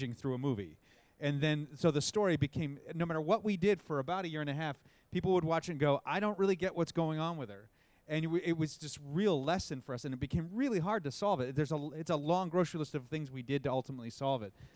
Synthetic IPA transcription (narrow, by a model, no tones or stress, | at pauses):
d͡ʒɪ̃ŋθɹʉəmuvḭ | ɨ̃nðɨ̃nsoʊðɨstɔɹibɨkʰẽɪ̃mnoʊmæɾə˞wʌʔ̚widɪd̥fə˞ɨbaʊɾɨjɪɹɨ̃ñɨɦæf | pʰipl̩ˠwəd̚wɑt͡ʃɨ̃nɡoʊʔaɪɾõʊ̃nt̚ɹɪlˠiɡɛʔwʔʌtsɡ̥oʊɪ̃ŋə̃nwɨðə˞ | ɨ̃nwɪt̚wʌzd͡ʒʌst̚ɹilˠlɛsɨ̃nfə˞ʌsɨ̃nɨt̚b̥ɨkʰẽɪ̃mɹɪlˠiɦɑɹd̚tɨsɑlˠvɨtðə˞zəɨtsəlɔ̃ŋɡɹoʊsɹilɪstʌv̥θɪ̃ŋzwidɨd̚tɨʌlˠtəmətˡlisɑlˠvɨt̚